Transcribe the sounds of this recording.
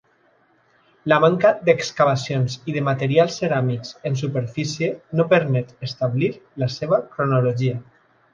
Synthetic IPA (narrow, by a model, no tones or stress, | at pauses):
lamaŋkad̪ekskaβasjonsiðemat̪eɾialˠsːeɾamikzens̬upeɾfisjenopəɾmɛt̪est̪aβliɾlaseβ̞akɾonoloʒia